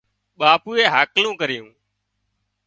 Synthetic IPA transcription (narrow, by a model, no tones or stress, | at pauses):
ɓaːpuːeːɦaːklũːkəɾɪjũː